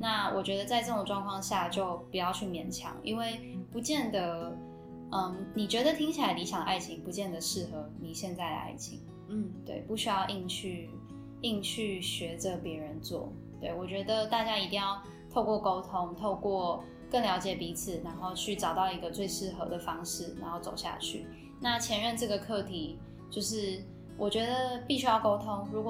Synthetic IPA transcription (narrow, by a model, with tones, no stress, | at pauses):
na˥˩wʔɔ˨˩t͡ɕɥɛ˧˥d̪ə˧t͡sa˥˧ɪʈ͡ʂɤ˥˩o˨˩ŋʈ͡ʂwɑ˥˧ŋkʰwɑ˥˧ŋɕja˥˧t͡ɕjo˥˩ʊpu˨˩jɑ˥˧ʊt͡ɕʰy˥˩mjɛ˧˥nt͡ɕʰjɑ̰˨˥˦ŋʔḭ˧˥nwe˥˩ɪpu˧˥t͡ɕjɛ˥˩nd̪ə˩ | ə˧ni˨˩t͡ɕɥɛ˧˥d̪ə˨t̪ʰi˥ŋt͡ɕʰi˨la˧˥ɪli˧˥ɕʰjɑ˨˩ŋə˦ʔa˥˩ɪt͡ɕʰi˧˥ŋpu˧˥t͡ɕjɛ˥˩nd̪ə˩ʂɻ̩˥˩xɤ˧˥˦ni˨˩ɕjɛ˥˧nt͡sa˥˩ɪd̪ə̰˩a̰˥˩ɪt͡ɕʰḭ˧˥ŋ | n̩˥˩t̪wḛ˥˩ɪpu˥˩ɕy˥jɑ˥˧ʊʔi˥˧ŋt͡ɕʰy˥˩ | i˥˧ŋt͡ɕʰy˥˩ɕɥɛ˧˥ʈ͡ʂə˧pjɛ˧˥ɻə˧˦nt͡swɔ̰˥˩ | t̪we˥˩ɪwɔ˨˩t͡ɕɥɛ˧˥d̪ə˧t̪a˥˩t͡ɕja˥i˨˩t̪i˥˧ŋjɑ˥˩ʊ | t̪ʰo˥˧ʊkwɔ˥˩ko˥ʊt̪ʰʊ˥ŋt̪ʰo˥˧ʊkwɔ˥˩ | kə˥˩ŋljɑ˧˥ʊt͡ɕjɛ˨˩pi˧˥t͡s̩ʰ˨˩na˧˥nxo˥˧ʊt͡ɕʰy˥˩ʈ͡ʂɑ˨˩ʊt̪ɑ˥˩ʊi˧˥ɡə˧t͡swe˥˧ɪʂɻ̩˥˩xɤ̰˧˥d̪ə˨fɑ˥ŋʂɻ̩˥˩na̰˧˥nxo˥˩ʊt͡so˨˩ʊɕja̰˥˧t͡ɕʰy̰˥˩ | na˥˩t͡ɕʰjɛ˧˥nɻə˥˧nʈ͡ʂɤ˥˩ɡə˩kʰɤ˥˩t̪ʰi˨˩˦ | t͡ɕjo˥˧ʊʂ̬ɻ̩˥˩ | wʔɔ˨˩t͡ɕɥɛ˧˥d̪ə˨pi˥˩ɕy˥jɑ˥˩ʊko˥ʊt̪ʰʊ˥ŋɻu˧˥kw